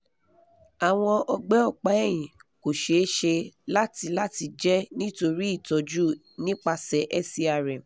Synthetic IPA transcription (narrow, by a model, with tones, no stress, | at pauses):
a˨w̃ɔ̃˧ʔɔ˧ɡ͡bɛ˦ɔ˦˨k͡pa˨˦ɛ˦˨j̃ĩ˨ko˨ʃe˨˦ʃe˧la˦ti˧la˦ti˧d͡ʒɛ˦nĩ˦to˧ɾi˦i˦˨tɔ˧d͡ʒu˦ | nĩ˦k͡pa˧sɛ˨˦ʔɛ˦˨si˧a˨ɾɛ˨